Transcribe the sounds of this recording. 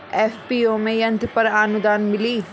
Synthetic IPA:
ɛːfpiːomẽjɐ̃nt̪ɾpɐɾaːnʊd̪aːnmɪliː

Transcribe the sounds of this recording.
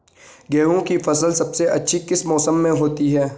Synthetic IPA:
ɡɛːɦõkifɐsəlsɐbseʔɐtːʃʰikɪsmɔːsəmːẽɦoːt̪iɦɛː

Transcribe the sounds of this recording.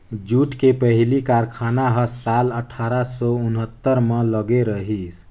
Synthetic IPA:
d͡ʒuʈkepəɦlikaɾkʰanaɦəsaləʈʰaɾasɔunɦət̪ːəɾmeləɡeɾəɦis

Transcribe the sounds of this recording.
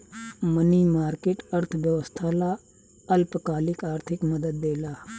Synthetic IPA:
məniːmaːɾkeːʈɐɾt̪ʰʋjəʋəst̪ʰaːla | əlpkaːlɪkaːɾt̪ʰɪkməd̪əd̪̚ːeːlaː

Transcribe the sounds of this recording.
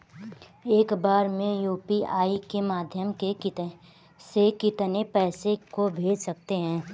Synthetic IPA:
eːkbaːɾmẽjuːpiaːikemaːd̪ʱjəmke | sekɪt̪nepɛːsekobʱeːd͡ʒsɐk̚t̪eɦɛ̃ː

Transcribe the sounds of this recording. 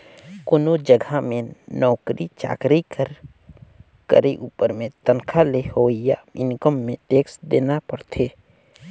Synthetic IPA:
kʊnod͡ʒəɡʱamẽnɔːkɾit͡ʃa̰ːkɾikəɾ | kə̰ɾiʔuːpəɾmẽt̪ənkʰalehoːijaɪnkəmːẽt̪eːksd̪eːnapəɽt̪ʰeː

